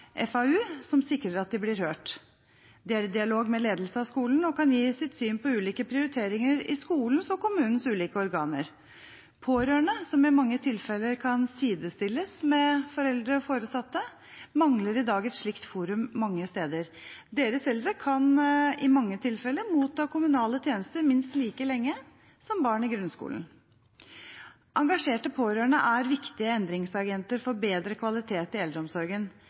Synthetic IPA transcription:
ʔɛ̰fɑʉːsɔmsɪkɾəɾɑt̪̚d̪ɪblɪɾhøːʈ | d̪ɪæɾd̪ɪɑloːɡmɛleːd̪lsəɑskuːln̩ɔkɑnjiːsɪt̪syːnpʰɔʉːliːkəpʰɾɪʊɾɪt̪ʰeːɾɪŋəɾɪskuːln̩sɔkʊmʉːnən̩sʉːliːkəɔɾɡɑːnə̰ɾ | pʰoːɾøːɳəsɔmɪmɑŋːət̪ʰɪlfɛlːəɾkʰɑnsiːd̪əst̪ɪlːəsmɛfɔɾɛld̪ɾəfoːɾəsɑt̪ːə | mɑŋləɾɪd̪ɑːɡɛt̪ʂɭɪkt̪fuːɾʉmːɑŋːəst̪eːd̪əɾd̪eːɾəsɛld̪ɾəkʰɑnɪmɑŋːət̪ʰɪlfɛlːəmuːt̪ʰːɑːkʰʊmʉnɑːlət̪ʰjeːnəst̪əɾmɪnst̪liːkəlɛŋːə | sɔmbɑːɳɪɡɾʉnskṵːln̩ | ʔɑŋɡɑʂeːʈəpʰoːɾøːɳə̰ʔæɾʋɪkt̪ɪəɛnd̪ɾɪŋsɑɡɛnt̪əɾfɔɾbeːd̪ɾəkʰʋɑlɪt̪ʰeːt̪ɪɛld̪ɾɔmsɔɾɡən

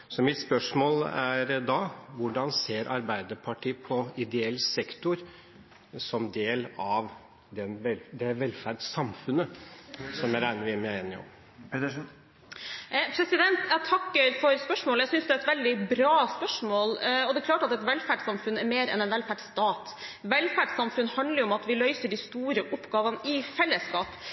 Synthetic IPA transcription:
sɔmɪt̪spœʂmoːlæɾd̪ɑʋʊɖɑnseːɾʔɑɾbæɪd̪əɾpʰɑʈʰiːpʰɔɪd̪ɛɛlːsɛkt̪ʊɾ | sɔmd̪eːlɑʋ | d̪ɛnɛd̪ɛʋɛlfæɖsɑmfʉnəsɔmjæɾæɪnəɾʋɪmɛɪnːɪ̰ɔ̰m | pʰɾɛsɪd̪ɛnt̪æt̪ʰɑkːəɾfɔɾspœʂmoːləæsʏnsd̪ʉæɛt̪ʋɛld̪ɪbɾɑːspœʂmoːlɔd̪ɛkʰlɑːʈɑt̪ɛt̪ʋɛlfæɖsɑmfʉnæɾmeːɾɛ̰nɛnʋɛlfæɖst̪ɑːt̪ | ʋɛlfæɖsɑmfʉnhɑnd̪ləɾɔmɑt̪ʋɪlœʏsəɖɪst̪uːɾəʔʊpːɡɑːʋənɪfɛlːəskɑːp

